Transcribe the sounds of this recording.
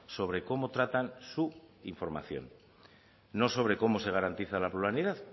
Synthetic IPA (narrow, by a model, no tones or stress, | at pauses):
so̞βɾe̞ko̞mo̞t̪ɾat̪ansuiɱfo̞ɾma̰θjo̞̰nː | o̞so̞β̞ɾe̞ko̞mo̞se̞ɣ̞aɾant̪iθalapluɾaniðað